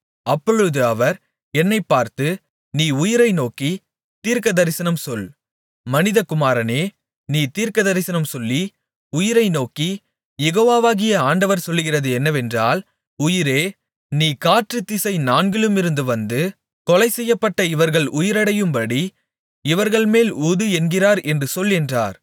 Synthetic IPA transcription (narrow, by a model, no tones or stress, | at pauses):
ɐpːɔɻɯðɯɐʋɐɾ | ɛnːɐɪpːaːɾt̪ɯ | niːʊjɪɾɐɪnoːki | t̪iːɾkɐðɐɾɪsɐnɐmsɔl | mɐnɪðɐkʊmaːɾɐneː | niːt̪iːɾkɐðɐɾɪsɐnɐmsɔlːi | ʊjɪɾɐɪnoːki | jɛɣoːʋaːʋaːɣɪjɐaːɳɖɐʋɐɾsɔlːɯɣɪrɐðɯɛnːɐʋɛndra̰ːl | ʊjɪɾeː | niːkaːʈrɯt̪ːɪsɐɪnaːnɡɪɭɯmɪɾɯnd̪ɯʋɐnd̪ɯ | kɔlɐɪsɛjːɐpːɐʈːɐɪʋɐɾɣɐɭʊjɪɾɐɽɐjɯmpɐɽi | ɪʋɐɾɣɐɭmeːluːðɯɛnɡɪraːɾɛndrɯsɔlːɛndra̰ːɾ